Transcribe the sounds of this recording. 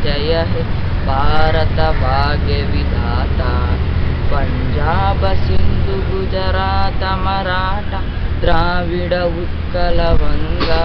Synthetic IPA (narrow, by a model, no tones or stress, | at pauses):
d͡ʒɐjɐɦe | bʱaːɾɐt̪ɐbʱaːɡeʋid̪ʱaːt̪aː | pɐɲd͡ʒaːbɐsind̪ʱuɡud͡ʒɐɾaːt̪ɐmɐɾaːʈɐ | d̪ɾaːʋiɽɐut̪kːɐlɐʋɐnɡa